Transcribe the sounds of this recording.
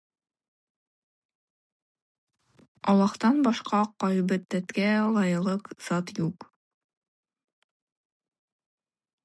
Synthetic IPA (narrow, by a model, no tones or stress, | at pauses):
ɒlˠɑqt̪ɑnbɑʃqɑqɑjβɘt̪ːæt̪kælˠɑjɤ̆lˠɤqz̥ɑt̪juq